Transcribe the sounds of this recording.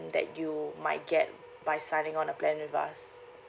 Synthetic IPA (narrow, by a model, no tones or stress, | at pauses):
ndɛ̰t̚jumaɪt̚ɡɛt̚ | bajsãɪnĩŋɔ̃nəplɛ̃nwifa̰s